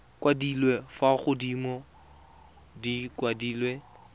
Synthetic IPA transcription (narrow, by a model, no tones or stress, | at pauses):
kwadilwefaχʊdimɔ | dikwadiːlwe